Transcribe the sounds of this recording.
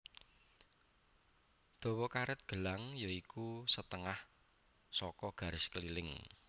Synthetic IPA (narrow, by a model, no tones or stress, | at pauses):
d̪̥o̤wɔkaɾɪt̪̚ɡ̥ə̤laŋjoikusət̪əŋah | sɔkɔɡ̥ä̤ɾɪskəlilɪŋ